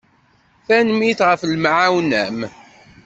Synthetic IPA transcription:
θænmiθʁəflmʕawnæm

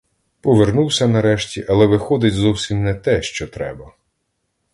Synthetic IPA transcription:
pɔʋernuwsʲɐnɐɾɛʃtʲiʔɐlˠɛʋɪxɔd̪ɪtʲzɔwsʲimnɛt̪ɛʃt͡ʃɔt̪ɾɛ̰bɐ

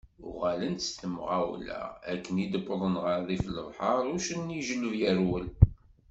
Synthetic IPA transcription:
ʊʁælənst̪əmʁawlæ̰ækːənid̪əbːðˤənʁəɾðifləvˤħɑɾˤʊʃənːiʒələvjəɾwəl

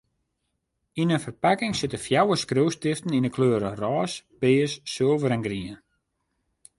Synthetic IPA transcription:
inənfərpakɪŋsɪtəfjawəskrøwstɪftəninəkʰløːɾərɔːsb̥ɪːsːøəlˠvəɾɛnɡriən

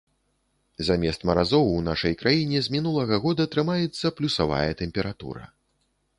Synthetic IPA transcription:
zamʲɛst̪mɐɾazɔwunaʂɐjkɾajinʲɛzʲmʲinulˠɐɣɐɣɔd̪ɐt̪ɾɨmajɛt̪sːɐplʲusava̰jɐt̪ɛmʲpʲɛɾat̪ṵɾɐ̰

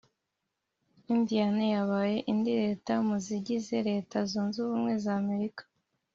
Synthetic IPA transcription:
imvijanejaβaːje̞ʔindiɾe̞ːtamuziɟize̞ɾe̞ːtazuːnzuβuːmŋwe̞zame̞ɾikḁ

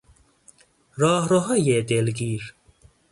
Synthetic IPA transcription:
ɾɑːɦɾoɦɐjeːt̪eːlɡiːɾ

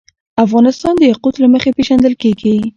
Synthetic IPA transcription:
afɣɑnɪst̪ɑnd̪əjaqut̪laməxepeʒand̪əlkeɡi

